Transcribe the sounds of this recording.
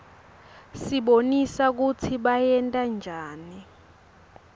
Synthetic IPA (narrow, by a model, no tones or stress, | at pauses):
siɓonisak̬ut͡sʰiɓajɛntʼand͡ʒʱaːni